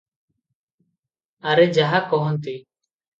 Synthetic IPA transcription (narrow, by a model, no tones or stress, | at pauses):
aɾed͡ʒaɦakɔɦɔnt̪iː